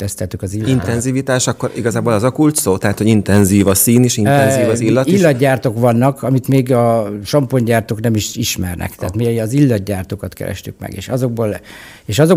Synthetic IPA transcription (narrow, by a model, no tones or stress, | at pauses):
t̪ɛst̪ɛlt̪ykɒzilːint̪ɛnziːvit̪aːʃɒkːoɾiɡɒzaːboːlɛzɒkult̪soːt̪ɛɦat̪hoɟint̪ɛnziːvɒsiːniʃinɛnziːvɒzilːɒt̪ilːɒd̪ɟaːrt̪o̞kʋɒnːɒkʰɒmit̪meːɡɒʃɒmpoɲɟaːrt̪oːknɛmiʃiʃmɛrnɛ̰kt̪ɛaːt̪meɒzilːɒd̪ɟaːrt̪oːkɒt̪kɛ̰ɾɛ̰ʃt̪y̰kmɛ̰ɡḛːʃɒzo̞ɡ̚boːl | eːʃɒzo̞